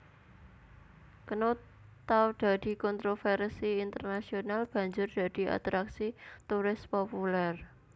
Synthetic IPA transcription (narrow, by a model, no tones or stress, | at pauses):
kəno | t̪awd̪̥a̤d̪̥i̤kɔnt̪ɾofɛrsiint̪ərnasionalb̥ä̤ɲd͡ʒʊrd̪̥a̤d̪̥i̤a̰t̪ɾaksit̪uɾɪspopulɛr